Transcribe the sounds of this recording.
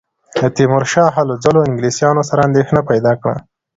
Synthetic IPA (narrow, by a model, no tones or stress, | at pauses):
d̪ət̪imʊɾʃɑɦaləd͡zaloɪŋɡlisjɑnosaɾaːnd̪exnapajd̪ɑkɽa̰